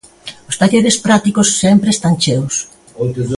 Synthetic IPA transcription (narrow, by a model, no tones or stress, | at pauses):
ʊst̪aʎeɾespɾat̪ikʊsːempɾest̪ant͡ʃews